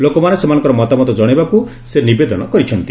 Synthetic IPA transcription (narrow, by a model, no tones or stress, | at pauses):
lokɔmanesemanɔ̃ŋkɔɾɔmɔt̪amɔt̪ɔd͡ʒɔɽ̃ebaku | senibed̪ɔnɔkɔɾit͡ʃʰɔnt̪i̥